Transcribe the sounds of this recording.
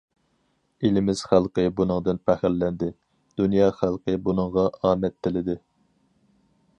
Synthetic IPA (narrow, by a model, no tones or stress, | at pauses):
ilɪmɪz̥χælˠqəbunɨŋd̪ɨnpʰæχɪɾlːɛnd̪ɪ | d̪̥unjɑːχælˠqʰəbunɨŋʁɑɑːmɛt̪ʰːɪlɪd̪ɪ